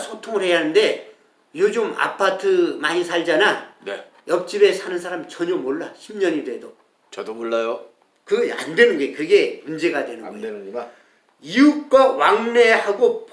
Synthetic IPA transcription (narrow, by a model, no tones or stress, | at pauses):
sʰotʰoŋɯɭhe̞jaɦanɯnde̞ | jod͡ʑɯma̰pʰatʰɯmaɲisʰaɭd͡ʑanan | jʌp̚t͡ɕ͈ibe̞sʰanɯnsʰaɾamt͡ɕʌɲomoɭːaɕʰimɲʌɲidwe̞do | t͡ɕʌdomoɭːajo | kɯɡʌa̰ndwe̞nɯnɡʌekɯɡe̞mund͡ʑe̞ɡadwe̞nɯnɡʌe | iuk̚k͈awaŋne̞haɡop